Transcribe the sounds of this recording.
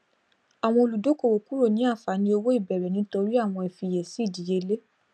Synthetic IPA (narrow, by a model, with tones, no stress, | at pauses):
a˨w̃ɔ̃˧o˧lu˨do˨˦ko˦˨wo˨ku˦ɾo˦˨nĩ˨˦a˦˨fa˨˦nĩ˧o˧wo˦i˦˨bɛ˨ɾɛ˨nĩ˨˦to˧ɾi˦a˦˨w̃ɔ̃˧ɛ˨fi˧˨je˨si˦˨di˨˦je˧le˦